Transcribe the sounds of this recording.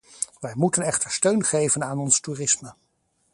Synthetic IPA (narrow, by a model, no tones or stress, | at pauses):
ʋɛjmutənɛχtəɹstøɥnχejvənaːnɔnstuːrɪsmə